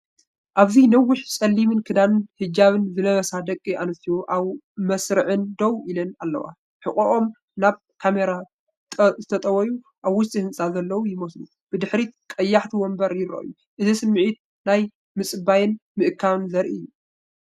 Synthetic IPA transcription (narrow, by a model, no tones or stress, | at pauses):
ʔaβzinɐwːʊħsʼɐlːimɨnkʰɨd̪anɨnhɨd͡ʒaβɨnzɨnɐβɐsad̪ɐkʼːiʔanɨt̪ijoʔaβ | mɐsɾɨʕɨnd̪ɐwilɐnalːɐ̰wa̰ | ħɨχʼoʔo̞m | naβ | kʰameɾa | zɨt̪ʰɐt̪ʼɐwɐju | ʔaβwʊʃt̪ʼihɨnt͡sʼazɐlːɐwujɪmɐslu | b̥ɨd̪ɨħɾikʼɐjːaħt̪ʰiwɔmbɐɾjɪɾɐ̰ʔɨ̰ju | ʔɨzisɨmːɨʕit̪̚ | naj | mɨt͡sʼɨbajɨnmɨʔɨkʰːaβɨnzɐɾʔijːu